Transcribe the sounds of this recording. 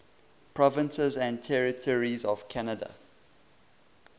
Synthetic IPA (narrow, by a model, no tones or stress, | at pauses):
pʰɹɔvə̃nsəzæ̃ntʰɛɹɪtʰɔɹizɔv̥kʰænədə̰